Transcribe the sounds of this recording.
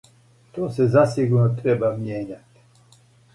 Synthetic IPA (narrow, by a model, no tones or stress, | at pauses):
t̪oːsɛzasiɡuɾnot̪ɾɛbamjeːɲat̪i̥